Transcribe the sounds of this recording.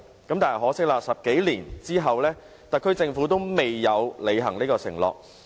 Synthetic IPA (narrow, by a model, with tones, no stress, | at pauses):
kɐ˨˥mt̪aː˨nɐ˨˩hɦɔː˨˥sɪ˥k̚laː˧sɐ˨p̚ke˨˥jliː˨˩nt͡siː˥ɦɐ˨wlɛː˥ | t̪ɐ˨kʰːɵ˥t͡sɪ˧ŋfuː˨˥t̪o˥wme˨jːɐ˨˧wle˨˧jɦɐ˨˩ŋniː˥kɔː˧sɪ̰˨˩ŋlɔ̰ː˨˩k̚